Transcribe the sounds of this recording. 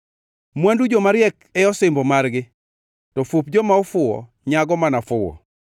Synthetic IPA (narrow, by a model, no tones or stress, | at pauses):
mwandud͡ʒɔmaɾɪjɛkɛɔsɪmbɔmarɡɪ | tɔfupd͡ʒɔmaɔfʊwɔ̰ | ɲaɡɔmanafʊwɔ̰